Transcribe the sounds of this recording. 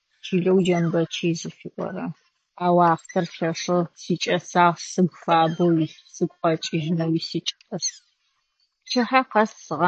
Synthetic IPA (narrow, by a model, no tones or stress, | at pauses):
t͡ʃʰiːɮɐwd͡ʒɐnbɐt͡ʃʰiːzɨfiʔʷʼɔ̰ɾɐ | aːwɑːqʷtʰɐrɬɐʂɨsiːt͡ʃʼɐsaːʁsɨɡʷfaːbɐwi | sɨɡʷʼqʼɐt͡ʃʼɪʒnɐwiːsiːt͡ʃʼɐtɐs | t͡ʃʰɪħaqɐssɨʁɑ